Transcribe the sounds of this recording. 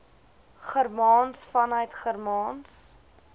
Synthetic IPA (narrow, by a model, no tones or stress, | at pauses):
χərmɑːnsfɐnœɥtχərmɑːns